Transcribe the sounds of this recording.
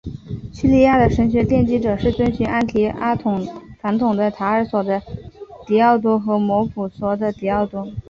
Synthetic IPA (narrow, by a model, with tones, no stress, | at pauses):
ɕy˥˧li˥˧ja˥˩d̪ə˩ʂə˧˥ŋɕ̬ɥɛ˧˥t̪jɛ˥˩nt͡ɕi˥ʈ͡ʂɤ˨˩ʂɻ̩˥˩t͡sə˥nɕɛ˧˥ʔa˥˩nt̪ʰi˧˥a˥t̪ʰʊ˨˩ŋfa˧˥nt̪ʰʊ˨˩ŋd̪ə˧t̪ʰa˧˥ə˞˨˧˥swɔ˨˩d̪ə˧t̪i˨˩ɑ˥˩ʊt̪̬wɔ˥xɤ˧˥mwɔ˧˥pʰu˨˩swɔ˧˥d̪ə˧t̪i˨˩ɑ˥˩ʊt̪ɔ˥